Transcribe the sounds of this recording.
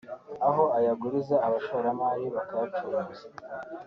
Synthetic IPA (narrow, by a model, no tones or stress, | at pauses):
aɦo̞ajaɡuɾizaːβaʃoɾamaːjiβakajat͡ʃouza